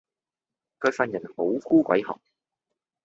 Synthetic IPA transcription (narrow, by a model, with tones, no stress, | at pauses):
kʰœː˧kfɐ˧njɐ˨˩nho˨˥wfuː˥kʷɐ̰˨˥jhɔ̰ː˨˩ŋ̚